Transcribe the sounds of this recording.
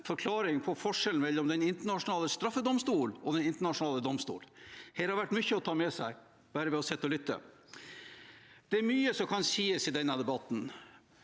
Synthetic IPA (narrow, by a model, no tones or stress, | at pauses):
fɔɾkʰlɑːɾɪŋpʰɔfɔʂɛln̩mɛlːɔmd̪ɛnɪnt̪əɳɑʂʊnɑːləst̪ɾɑfːəd̪ɔmst̪uːlɔd̪ɛnɪnt̪əɳɑʂʊnɑːləd̪ɔmst̪ṵːlhɛːlɾhɑɾʋæʈːmʏçːəɔt̪ʰɑːmɛsæɪ | bæːɾəʋɛɔsɛt̪ːɔlʏt̪ːə̰ | d̪̥ɛæɾmyːəsɔmkʰɑnsiːəsɪd̪ɛnːəd̪ɛbɑt̪ːn̩